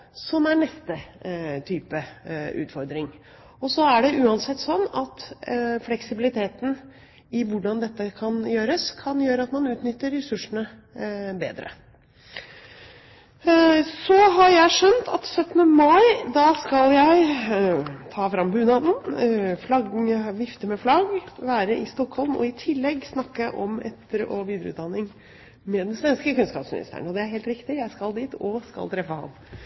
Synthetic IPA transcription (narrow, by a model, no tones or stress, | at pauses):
sɔmæɳɛst̪ət̪ʰyːpəʉ̰ːt̪fɔɾd̪ɾɪŋ | ɔsɔæɖɛʔʉːɑnsɛt̪ːsɔnːɑt̪flɛksɪbɪlɪt̪ʰeːt̪n̩ | ɪʋʊɖɑnd̪ɛt̪ːəkʰɑnjøːɾəskʰɑnjøːɾəɑt̪mɑnʉːt̪nʏt̪ːəɾːɛsʉʂəɳə | bḛːd̪ɾə̰ | sɔɦɑjæɪʂœnt̪ʰɑt̪sœt̪ːnəmɑɪd̪ɑskɑljæɪ | t̪ʰɑːfɾɑmbʉːnɑd̪nflɑɡʋɪft̪əmɛflɑɡʋæːɾəʔɪst̪ɔkhɔlmɔ̰ɪt̪ʰɪlːɛɡːsnɑkːəʔɔmɛ̰t̪əɾɔʋiːd̪əɾəʉ̰t̪d̪ɑnːɪŋ | mɛd̪ɛnsʋɛnskəkʉnskɑːpsmɪnɪ̰st̪æ̰ɳɔd̪ɛæɾɦeːlt̪ɾɪkt̪ɪjæɪskɑld̪iːt̪ɔskɑ̰lt̪ʰɾɛfːəhɑ̰nː